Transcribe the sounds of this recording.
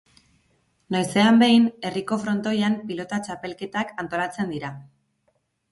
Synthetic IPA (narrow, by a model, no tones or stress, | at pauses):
najse̞ambe̞jne̞riko̞fɾo̞nt̪o̞jampilo̞t̪at͡ʃape̞lke̞t̪akant̪o̞lat͡se̞nd̪iɾa